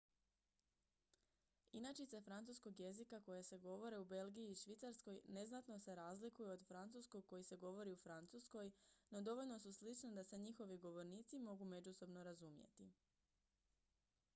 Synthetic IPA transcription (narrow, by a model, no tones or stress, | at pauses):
inat͡ʃit̪se̞fɾant̪uːsko̞ɡje̞zikako̞jese̞ɡo̞ʋo̞ɾeube̞lˠɡijiːʃʋit̪saɾsko̞jne̞znat̪no̞se̞ɾaːzlikujuod̪fɾant̪suskoɡ̚ko̞jise̞ɡo̞ʋo̞ɾiufɾant̪susko̞jno̞d̪o̞ʋo̞ʎno̞suslit͡ʃned̪ase̞ɲixo̞ʋiɡo̞ʋo̞ɾniːt̪simo̞ɡume̞d͡ʒuso̞bno̞ɾazumjḛt̪i